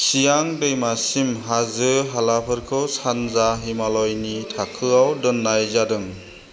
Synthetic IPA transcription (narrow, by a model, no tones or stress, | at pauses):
sijaŋdɯjmasimɦazɯɦalapʰɯɾkʰɯwsanzaɦimalɔjnitʰakʰɯawdɯnːajzadɯŋ